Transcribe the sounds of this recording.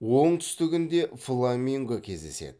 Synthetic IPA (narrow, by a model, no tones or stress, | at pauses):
wo̞ɴt̪ʰʏ̥st̪ɪɡʲɪnd̪e̞flˠamʲiŋɡəkʲʰe̞zd̪e̞se̞̰d̪ɪ